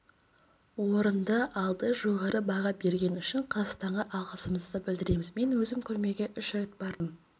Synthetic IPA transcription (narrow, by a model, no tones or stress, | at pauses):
wo̞ɾənd̪əʔɑlˠd̪əʒo̞ʁɑɾəbɑʁɑbe̞ɾɡʲe̞nʏʃɪɴqʰɑzɑq̪st̪ɑɴʁɑʔɑlˠʁəsəməzd̪əbɪld̪ɪɾe̞mɪzme̞nwɵzɪmkʲʰɵɾme̞ɡʲe̞ʔʏʃɾe̞t̪b̥ɑɾd̪əm